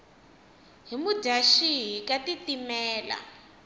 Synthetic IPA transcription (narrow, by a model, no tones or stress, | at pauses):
ɦimu̥daʃiɦikatitimɛːla̰